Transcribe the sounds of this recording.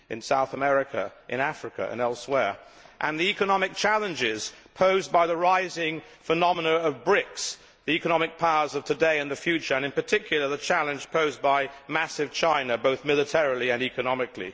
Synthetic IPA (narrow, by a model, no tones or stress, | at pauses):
ɨ̃nsaʊθəmɛɹɨkʰɨ̰ʔɨ̃næfɹɨkɨ̰ʔɨ̰̃nɛlˠswɛɹ | ʔə̃nðiikɨnɑmɨk̚t͡ʃʰælˠə̃nd͡ʒɪz̥pʰoʊzbaɪðəɹaɪzɪ̃ŋ | fənɑmənəʌvbɹɪks | ðiɛkɨnɑmɨk̚pʰaʊə˞zʌv̥tʰɨdeɪɨ̃nðɨfjʉt͡ʃə˞ɨ̃ñɨ̃npə˞tʰɪkʰjl̩ˠə˞ðɨt͡ʃʰælˠɨ̃nd͡ʒ̥pʰoʊzbaɪmæsɨv̥t͡ʃʰãɪ̃nɨboʊθmɪlˠɨtʰɛɹl̩ˠiɨ̃nikɨnɑmɨklḭ